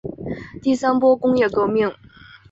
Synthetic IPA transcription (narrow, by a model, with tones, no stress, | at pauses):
t̪i˥˩sa˥npwɔ˥kʊ˥ŋjɛ˥˩kɤ˥˧mi˥˩ŋ